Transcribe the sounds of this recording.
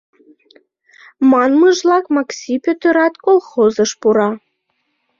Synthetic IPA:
mɑnməʒlɑkmɑksʲipʲøt̪əɾɑt̪kolˠxozɤʃpuɾɑ

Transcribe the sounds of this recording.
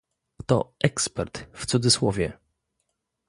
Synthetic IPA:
t̪ɔ̰ʔɛkspɛɾt̪ft̪sud̪zɘswɔvʲjɛ

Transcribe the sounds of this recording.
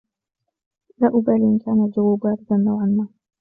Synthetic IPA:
laːʔʊbaːlʔɪnkaːnad͡ʒawaːbaːɾɪd̪anːawʕanːaː

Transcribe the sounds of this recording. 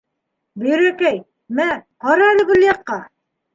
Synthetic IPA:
bɵ̆j̆ɾækæj | mæqɑɾɑlɘ̆ɡɵ̆ljɑqːɑ

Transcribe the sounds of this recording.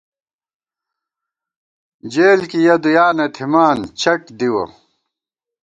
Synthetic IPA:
d͡ʑeːlkijɐd̪ujaːnet̪ʰimaːnt͡ɕʰɐʈd̪iwɐ̰

